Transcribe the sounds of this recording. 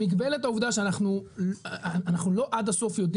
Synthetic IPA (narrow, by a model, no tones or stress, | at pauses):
ikbeletauvd̪aʃeanaχnu | anaχnulo̞ʔad̪aso̞fjo̞d̪